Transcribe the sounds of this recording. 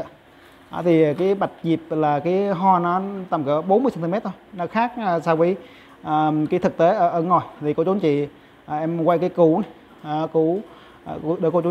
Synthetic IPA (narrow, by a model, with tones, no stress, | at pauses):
ʔaː˨˩t̪ʰi˨˩˨kaː˨˦jɓa˨˩jt̟̚zi˨˩əp̚laː˨˩kaː˨˦ɦɔ˧nɔ˨˦t̪a˨˩mkə˧˩˦ɓo˨˦nmɨ˧st̪i˧mɛ˦˥t̚t̪ʰo˧jnɔ˨˦xaː˦˥k̚ːsaː˧wvə˨˦j | ʔəː˨˩kaː˨˦t̪ɨ˨˩k̚t̪e˨˦ʔəː˧˩ʔəː˧˦nŋɔ˨˩jt̪ʰi˨˩ko˧˦t͡ɕu˨˦nt͡ɕḭ˧˨ | ʔə˨˩ʔɛ˧mkwa˧jkaː˨˦jku˧˦nː˨˩ | ku˧˦˨ | ɗə˨˦ko˧t͡ɕu˨˦